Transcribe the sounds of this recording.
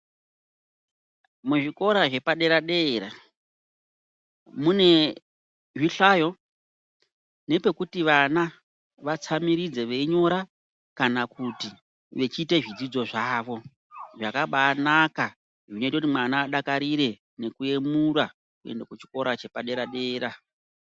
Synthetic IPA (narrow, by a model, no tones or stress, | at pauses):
muʐiko̞ɾaʐe̞paɗe̞ɾaɗe̞ɾa | mune̞ | ʐiɬajo̞ | ne̞pe̞kutiʋana | ʋat͡samiɾid͡ze̞ʋeiɲo̞ɾa | kanakuti | ʋe̞t͡ʃiːte̞ʐid͡zid͡zo̞ʐaːʋo̞ | ʐakaɓaːnaka | ʐinoitautimwanaːɗakaɾiɾe̞ | ne̞kue̞muɾa | kue̞̰ndakut͡ʃi̥ko̞ɾat͡ʃe̞paɗe̞ɾaɗe̞ːɾa